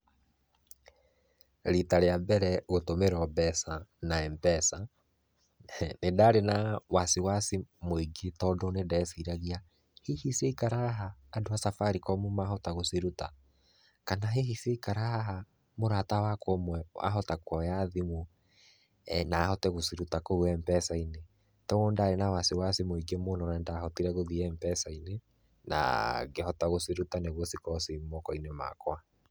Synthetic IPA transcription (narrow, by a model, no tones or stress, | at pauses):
ɾitaɾeambɛɾɛɣotomeɾɔbɛsanaɛmbɛsa | nedaːɾenawasiwasimoiɡetɔdɔnedɛsiɾaɣia | hehiseikaɾaɦaːdoasafaɾikɔmumaɦɔtaɣosiɾuta̰ | kanaɦeɦiseikaɾaɦa | moɾatawakomwɛa̰ɦɔtakwɔjaðimu | naːhɔtɛɣosiɾutakoɣwɛmpɛsaine | tɔɣondaːɾenawasewasemoiɡemonɔɾɛndaːhɔtiɾɛɣoðiɛmpɛsaine | na̰ɡehɔtaɣoseɾutaneɣwɔsikɔsimɔkɔinema̰kwa